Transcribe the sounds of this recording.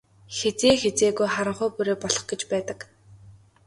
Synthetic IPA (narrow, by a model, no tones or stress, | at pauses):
xet͡seːxet͡seːɣujχaɾə̆ɴχʊːpuɾeːpɔɮɞ̆χɡet͡ɕpæːt̪ə̆k